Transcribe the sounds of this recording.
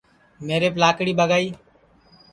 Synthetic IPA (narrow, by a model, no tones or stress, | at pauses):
meːɾeːplaːkɽiːbəɡaːiː